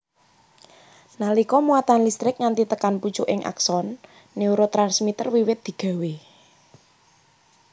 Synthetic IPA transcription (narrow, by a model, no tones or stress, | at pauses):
nalikɔmuat̪anlist̪ɾɪk̚ŋant̪it̪əkanput͡ʃuʔɪŋʔa̰ksɔnː | iuɾot̪ɾansmit̪ərwiwɪt̪̚d̪̥i̤ɡ̥ä̤we